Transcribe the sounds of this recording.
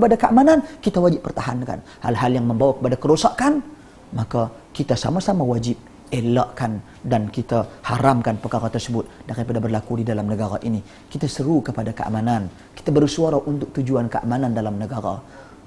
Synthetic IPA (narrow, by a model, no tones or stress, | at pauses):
əpadakəʔamanankit̪awad͡ʒɪp̚ːərt̪aɦanka̰n | ha̰lɦaljaŋməmbawakə̥padakəɾosaʔkan | maka | kit̪asa̰masamawad͡ʒɪp̚ | ela̰ʔkan | dankit̪ahaɾamkanpəkaɾat̪ərsəbʊt̪̚daɾipadabərlakudidalamnəɡaɾaʔini | kit̪asəɾukəpadakəʔa̰manan | ki̥t̪abərusuaɾaʔunt̪ʊk̚t̪ud͡ʒuankəa̰manandalamnəɡaɾa̰